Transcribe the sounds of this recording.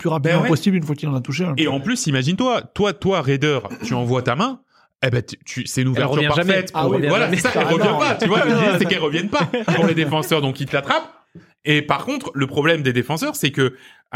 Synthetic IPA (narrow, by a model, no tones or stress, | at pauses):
plyʁapid̪mɑ̃ɛpɔsiblynfwakilɑ̃nat̪uʃẽeɑ̃plysimaʒint̪wat̪wat̪waʁed̪œʁt̪yɑ̃vwat̪amɛ̃ | ebɛt̪y̥t̪ysɛynuvɛʁyʁpaʁʒafɛt̪puvvwalasaɛlʁəvjɛ̃pat̪yvwasɛkɛlʁəvjɛnpapuʁled̪efɑ̃sœʁd̪ɔ̃kilt̪at̪χap̚ | epaʁkɔ̃t̪χləpχɔblɛmd̪ed̪efɑ̃sœʁsɛkə